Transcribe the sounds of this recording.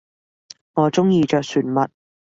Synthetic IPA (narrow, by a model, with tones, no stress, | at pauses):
ŋɔː˨˧t͡sʊ˥ŋjiː˧t͡ʃœː˨k̚syː˨˩nmɐ˨t̚